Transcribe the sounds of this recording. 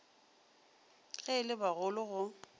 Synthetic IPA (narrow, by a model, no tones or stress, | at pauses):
ɣɛɪlɪbaɣʊlʊɣʊ